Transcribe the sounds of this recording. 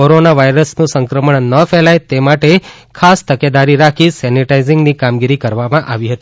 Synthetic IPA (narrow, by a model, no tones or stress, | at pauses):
oɾonaʋajɾəsnũsəŋkɾəməɳnəfɛlajt̪emaʈe | kʰast̪əked̪aɾiɾakʰisɛniʈaizɪŋɡnikamɡiɾikəɾʋamãʔaʋiɦət̪i